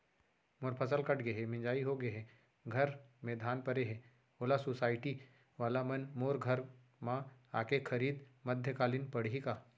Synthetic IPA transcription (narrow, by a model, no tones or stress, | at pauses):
moːɾpʰɐsəlkɐʈɡɐɦemɪ̃ɲd͡ʒaːiɦoɡəɦɛ | ɡʱɐɾmẽd̪ʱaːnpɐɾeɦɛ̃ | oːlasosaːɪʈi | ʋaːlamɐnmoːɾɡʱɐɾ | mãaːkekʰɐɾiːd̪mɐd̪ʱjəkaːlinpɐɽɦika